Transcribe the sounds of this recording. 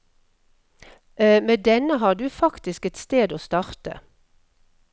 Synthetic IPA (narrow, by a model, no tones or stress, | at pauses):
ʔmeːd̪ɛnəɦɑːɖ̪ʉːfɑkt̪ɪskɛt̪st̪eːd̪oːst̪ɑʁt̪ə̰